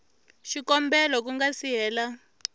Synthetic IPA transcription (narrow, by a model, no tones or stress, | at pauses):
ʃikɔmbɛlɔk̬uŋɡasiɦɛːla